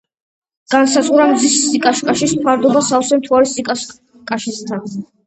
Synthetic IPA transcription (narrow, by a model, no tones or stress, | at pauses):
ɡ̥ansat̪sʼχʼuɾamd̪zisːikʼaʃkʼaʃispʰaɾd̪ɔbasasɛmt̪ʰuaɾisikʼa | kʼaʃɛst̪ʰan